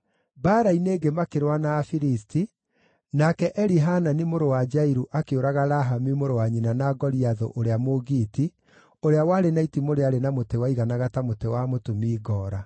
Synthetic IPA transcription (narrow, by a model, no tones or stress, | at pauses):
baːɾaineːɡemakeɾwanaːfiɾisti | nakɛʔɛɾiɦananimoɾowad͡ʒaiɾuʔakeoɾaɣaɾaɦamimoɾowaɲinanaɡɔɾiaðo̰ʔoɾeamoɣiːti | oɾeawaɾenaitimoɾeaɾenamotewaiɣanaɣatamotewamotomiːɣɔːɾa